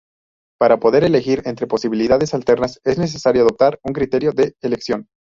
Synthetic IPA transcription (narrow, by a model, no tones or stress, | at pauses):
paɾapo̞ðe̞ɾe̞le̞xiɾe̞nt̪ɾe̞po̞siβiliðaðe̞salt̪e̞ɾnase̞zne̞s̬e̞saɾjoaðo̞p̚t̪aɾuŋkɾit̪e̞ɾjoðe̞eleksjo̞n